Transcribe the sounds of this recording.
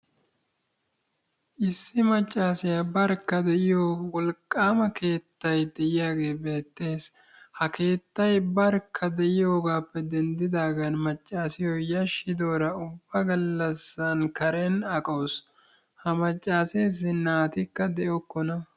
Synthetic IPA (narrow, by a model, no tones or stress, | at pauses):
ʔɪsːɪmɐt͡ʃʼːaːsɪjabɐɾkːɐd̪ɛʔɪjoːwɔlkʼːaːmɐke̞ːt̪ːɐjd̪ɛʔɪjaːɡe̞ːbe̞ːt̪ːe̞ːs | hɐke̞ːt̪ːɐjbɐɾkʰːɐd̪ɛʔɪjo̞ːɡaːpːɛd̪ɛnd̪ɪd̪aːɡɐnmɐt͡ʃʼːaːsɪjɔjɐʃɪd̪oːɾɐʊbːɐɡɐlːɐsːɐnkɐɾɛnɐkʼoːs | hɐmɐt͡ʃʼːaːse̞ːz̬ɪnːaːt̪ɪkːɐd̪ɛʔɔkːɔnɐ